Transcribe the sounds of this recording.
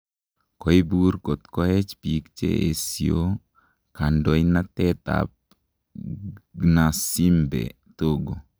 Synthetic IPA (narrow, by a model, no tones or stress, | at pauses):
kɔibuɾkot̪kɔhɛt͡ʃpikt͡ʃḛʔesio̰ | kandɔinat̪ɛt̪a̰p̚ | ɡnasimbḛ | t̪oɡo